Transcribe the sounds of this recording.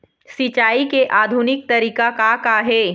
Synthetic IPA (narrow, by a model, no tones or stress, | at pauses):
sɪt͡ʃaːikeʔaːd̪ʱʊnɪk̚t̪ɐɾiːkakakaɦɛː